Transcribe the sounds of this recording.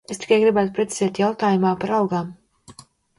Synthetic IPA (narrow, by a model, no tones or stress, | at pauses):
est̪i̥kajɡɾibæːt̪upɾet̪si̥zɛːt̪jawt̪aːjumaːpaɾalˠɡaːm